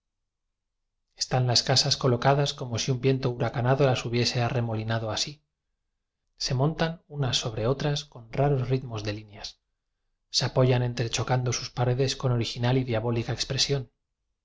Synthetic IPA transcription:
e̥st̪anlaskasasko̞lo̞kaðasko̞mo̞siumbje̞nt̪o̞uɾakanaðo̞lasuβje̞se̞are̞mo̞linaðo̞asi | se̞mõ̞nt̪anunasːo̞βɾe̞o̞t̪ɾasko̞nraɾo̞zriðmo̞zðe̞linjasː | eapo̞ʝane̞nt̪ɾe̞t͡ʃo̞kand̪o̞suspaɾe̞ðe̞sko̞no̞ɾixinaliðjaβo̞likaekspɾe̞sjo̞n

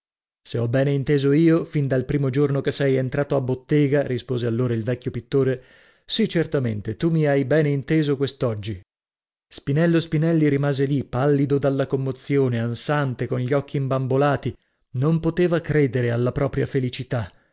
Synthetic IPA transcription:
seɔbːɛːneint̪eːzoiːofind̪alpɾiːmod͡ʒornokesɛjent̪ɾaːt̪oabːot̪ːɛːɡaɾispoːzealːoːɾailvɛkʲːjopit̪ːoːɾe | sit͡ʃert̪ament̪et̪umiajbɛːneint̪eːzokwest̪ɔd͡ʒːi | spinɛlːospinɛlːiɾimaːzelipːalːid̪od̪alːakomːot̪sːjoːneansant̪ekonʎɔkʰːiːmbambolaːt̪i | nompot̪eːvakɾeːd̪eɾealːapɾɔːpɾjafelit͡ʃit̪a

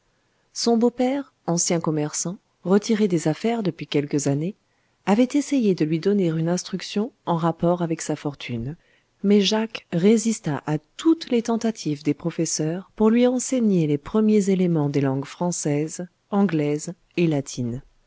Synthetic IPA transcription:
sɔ̃bopɛʁ | ɑ̃sjɛ̃kɔmɛʁsɑ̃ | ʁət̪iʁed̪ezafɛʁd̪əpɥikʲɛlkəzane | avɛt̪esejed̪əlɥid̪ɔneʁynɛ̃st̪χyksjɔ̃ɑ̃ʁapɔʁavɛksafɔʁt̪ʰyn | mɛʒakʁezist̪aʔat̪ut̪let̪ɑ̃t̪at̪ʰivd̪epχɔfɛsœʁpuʁlɥiɑ̃seɲelepχəmjezelemɑ̃d̪elɑ̃ɡfχɑ̃sɛz | ɑ̃ɡlɛz | elat̪ʰin

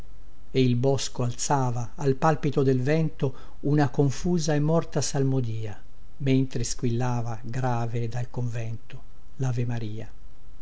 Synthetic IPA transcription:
eilbɔskoalt̪saːvaːlpalpit̪od̪elvɛnt̪o | unakoɱfuːzaemːɔrt̪asalmod̪iːa | ment̪ɾeskwilːaːvaɡɾaːved̪alkoɱvɛnt̪o | lavemaɾiːa̰

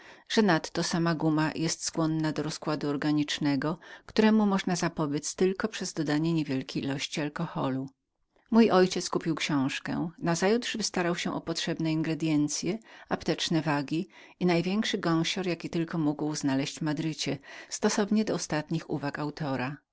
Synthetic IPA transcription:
ʐ̥ɛnat̪ːɔsamaɡumajʔɛst̪skwɔnːad̪ɔɾɔskwad̪uɔɾɡaɲit͡ʂnɛɡɔkt̪uɾɛmumɔʐnazapɔbʲjɛt̪st̪ɘlkɔpʂɛzd̪ɔd̪aɲɛɲevʲjɛlkʲejilɔɕt͡ɕialkɔxɔlu | mujɔjt͡ɕɛt̪skupʲiwkɕɔ̃w̃ʂkɛ̰nazajut̪ʐ̥vɘst̪aɾawɕɛʔɔpɔtʂɛbnɛiŋɡɾɛd̪ʲjɛnt̪sʲjɛapt̪ɛt͡ʂnɛvaɡʲi | inajvʲjɛŋkʂɘɡɔ̃w̃ɕɔɾjakʲit̪ɘlkɔmuɡwznalɛɕt͡ɕmad̪ɾɘt͡ɕɛst̪ɔsɔvɲɛd̪ɔːst̪at̪ɲixṵvakawt̪ɔɾa

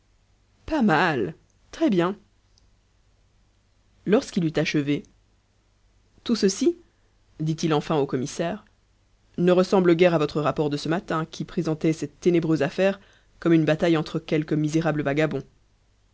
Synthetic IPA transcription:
pamal | t̪χɛbjɛ̃ | lɔʁskilyt̪aʃəve | t̪usəsi | d̪it̪ilɑ̃fɛ̃okɔmisɛʁ | nəʁəsɑ̃bləɡɛʁavɔt̪χəʁapɔʁd̪əsəmat̪ɛ̃kʲʰipχezɑ̃t̪ɛsɛt̪ːenebʁøzafɛʁ | kɔmynbat̪ajɑ̃t̪χəkʲɛlkəmizeʁabləvaɡabɔ̃

